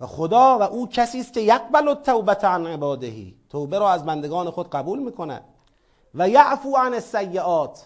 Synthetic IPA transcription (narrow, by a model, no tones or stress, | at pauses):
væxod̪ɒːvæʔuːcʰæsiːst̪̚ce̞jaɡ̚bælot̪ʰːawbæt̪ʰʕanʕebɒːd̪ehḭːt̪ʰowbeɾɒːæzbænd̪eɡɒːnexod̪ɢæbuːlmiːkʰo̞næ̰d̪̥̚ | væjaʕfuːʕanesːæjːeʔɒːt̪ʰ